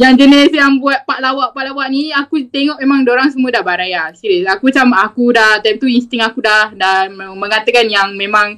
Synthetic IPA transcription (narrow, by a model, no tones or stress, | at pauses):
jaŋd͡ʒənɛsjaŋbuat̪̚paʔlawaʔpaʔlawaʔniakut̪eŋɔʔmemãŋdoɾaŋsəmuədahbaɾajasiɾisakut͡ʃamakudaht̪aip̚t̪uinst̪ɪŋakudahdaməmə̃ŋat̪əkanjaŋmẽmãŋ